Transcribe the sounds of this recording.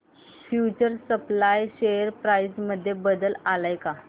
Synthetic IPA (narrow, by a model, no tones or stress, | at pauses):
fjut͡ɕəɾsəplajɕejəɾpɾaisməd̪ʱːjebəd̪əlalajka